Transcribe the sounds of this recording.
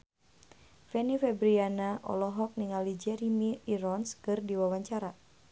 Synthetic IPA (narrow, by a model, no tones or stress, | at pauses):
fɛnifɛbɾianaʔɔ̰lɔɦɔk̚niŋalid͡ʒɛɾimiːɾɔnskɨrdiwawaɲt͡ʃaɾa